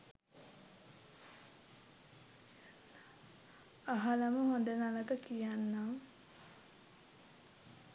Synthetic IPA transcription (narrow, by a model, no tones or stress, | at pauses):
aɦalaməɦond̪ənaləkəkijanːaŋ